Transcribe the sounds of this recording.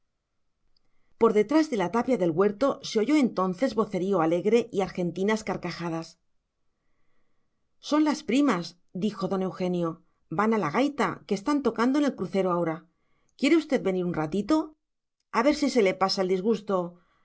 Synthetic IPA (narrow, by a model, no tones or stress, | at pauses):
po̞ɾðe̞t̪ɾazðe̞lat̪apjaðe̞lɣwe̞ɾt̪o̞se̞o̞ʝo̞e̞nt̪o̞nθe̞zβo̞θe̞ɾio̞ale̞ɣɾe̞ʔiaɾxe̞nt̪inaskaɾkaxað̞as | so̞nlaspɾimas | d̪ixo̞ðo̞ne̞wxe̞njo̞ | banalaɣ̞ajt̪ake̞ːst̪ant̪o̞kand̪oene̞lkɾuθe̞ɾo̞ao̞ɾa | kjeɾeust̪e̞ðβe̞niɾunrat̪it̪o̞ | aβe̞ɾsise̞le̞pasaeld̪izɣust̪o̞